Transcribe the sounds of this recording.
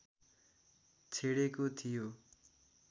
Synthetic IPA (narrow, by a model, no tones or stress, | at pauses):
t͡sʰeɽekot̪ʰijo